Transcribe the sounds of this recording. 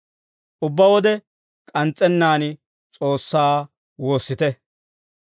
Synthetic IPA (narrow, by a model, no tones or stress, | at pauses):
ʔʊbːɐwɔd̪ɛ | kʼɐnt͡sʼːɛnːaːn | t͡sʼo̞ːsːaː | wo̞ːsːɪt̪ɛ